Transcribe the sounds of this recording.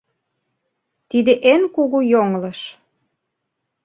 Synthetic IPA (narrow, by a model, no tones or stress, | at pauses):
t̪id̪eʔenkuɣujoŋlə̆ʃ